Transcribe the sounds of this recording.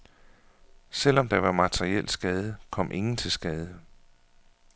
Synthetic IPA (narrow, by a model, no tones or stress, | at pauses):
sel̰ɒ̽md̥ɑ̈ʋɑ̈mæt͡sʰʁiel̰̥sɡ̥ɛːð̞ˠəkʰɒ̽mʔe̝ŋn̩t͡sʰe̝lsɡ̥ɛːð̞ˠə